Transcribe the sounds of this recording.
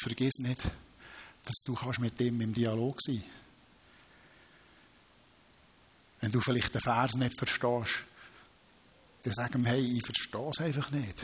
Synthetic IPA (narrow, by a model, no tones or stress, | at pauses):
fəɾɡ̥ɪsnɪd | d̥ɑsd̥uːχɑʃmɪt̪ːɪmɪmd̥iɑloːɡ̥siː | ʋɛnduːfɪlɪχtəfæːɾsnɪtfəɾʃtɑːʃ | d̥ɛsæɡ̥əmhɛɪiːfəɾʃtɔːsɛɪfɑχnɪt